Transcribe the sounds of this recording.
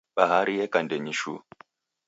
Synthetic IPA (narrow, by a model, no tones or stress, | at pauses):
ɓaɦaɾijɛkandɛɲiʃu